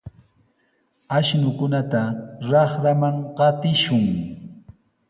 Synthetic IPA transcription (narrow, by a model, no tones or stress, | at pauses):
aʃnʊkʊnat̪aɾɑχɾamaŋɢɑt̪ɪʃʊŋ